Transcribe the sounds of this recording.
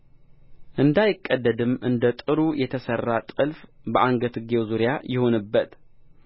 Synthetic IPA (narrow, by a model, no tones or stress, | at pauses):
ʔɨnd̪ajɪkʼːəd̪ːəd̪ɨmʔɨnd̪ət̪ʼɨɾujɛt̪ʰəsərːat̪ʼɨlfbəʔaŋɡət̪ʰɨɡewzuɾjajɪho̞nɨbːət̪